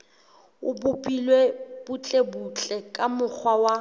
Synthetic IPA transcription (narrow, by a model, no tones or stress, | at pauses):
ʊbʊpʼilweb̥ʊt͡ɬʼebut͡ɬʼɛkʼamʊk͡xʰwawa